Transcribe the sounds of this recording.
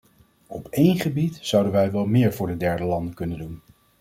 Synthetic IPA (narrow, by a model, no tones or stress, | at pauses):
ɔpejnχəbitz̥ɑwdənʋɛjʋɛlˠmɪːɹvʊːɹdədɛɹdəlɑndəkɵnəndun